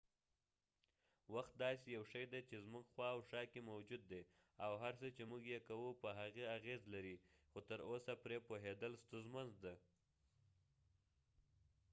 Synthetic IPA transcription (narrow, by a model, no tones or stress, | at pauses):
waxt̪̚d̪ɑs̬ejawʃəjd̪et͡ʃezmuɡxwɑawʃɑkemawd͡ʒud̪ːe | awɦaɾsət͡ʃemuɡjekawupəɦaɣeaɣezlaɾixot̪əɾʔosapɾepoɦed̪əlst̪ʊnzmanzd̪a